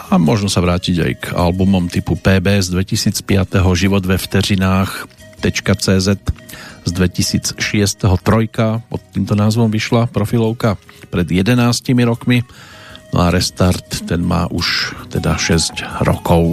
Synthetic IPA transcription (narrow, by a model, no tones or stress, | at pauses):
amʊɔʒnɔsaʋɾaːciɟa̰jɡa̰lbumɔmt̪ipupɛːbɛːzd̪ʋɛcisiːt͡spɪat̪ɛɦɔʒiʋɔd̪ʋɛft̪ɛɾinaːxt̪ːɛt͡ʃkat͡sɛːzɛt̪zd̪ʋɛcisiːt͡sʃɪɛst̪ɛɦɔt̪ɾɔjkapɔ̰t̪ːiːmt̪ɔnaːzʋɔmʋiʃlapɾɔfilɔʊkapɾɛd̪jɛd̪ɛnaːscimiɾɔkminɔ̰aɾɛst̪aɾt̪ːɛnma̰ːʔuʃt̪ɛd̪aʃɛzcɾɔ̰kɔʊ